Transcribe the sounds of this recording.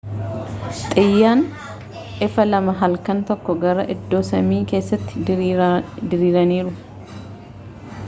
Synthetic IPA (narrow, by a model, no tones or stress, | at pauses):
t̪ʼɪjːaːn | ʔɪfɐlɐmɐɦɐlkɐnt̪ɔkːɔɡɐɾɐʔɪd̪ːoːsɐmiːke̞ːsːɐt̪ːɪ̥ | d̪ɪɾiːɾɐniːɾʊ